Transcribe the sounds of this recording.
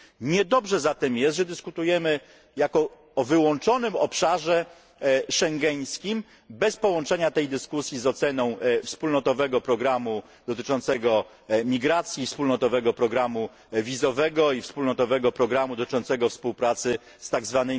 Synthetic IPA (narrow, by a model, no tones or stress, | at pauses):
ɲɛd̪ɔbʐɛzat̪ɛmjɛst̪ʐɛd̪ɘskut̪ujɛmɘ | jakɔː | vɘwɔnt͡ʂɔnɘmɔpʂaʐɛ | ʂɛŋɡɛj̃skʲim | bɛspɔwɔnt͡ʂɛɲat̪ɛjd̪ɘskusʲjizɔt̪sɛnɔ̃w̃fspulnɔt̪ɔvɛɡɔpɾɔɡɾamu | d̪̥ɔt̪ɘt͡ʂɔnt̪sɛɡɔ | mʲiɡɾat̪sʲjiːfspulnɔt̪ɔvɛɡɔpɾɔɡɾamu | vʲizɔvɛɡɔifspulnɔt̪ɔvɛɡɔpɾɔɡɾamud̪ɔt̪t͡ʂɔnt̪sɛɡɔfspuwpɾat̪sɘ | st̪aɡzvanɛj